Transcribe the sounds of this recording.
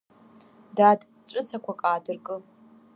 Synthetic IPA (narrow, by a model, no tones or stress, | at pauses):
dad | ʈ͡ʂʷʼɨt͡sʰakʷʰakʼaːdɨrkʼɨ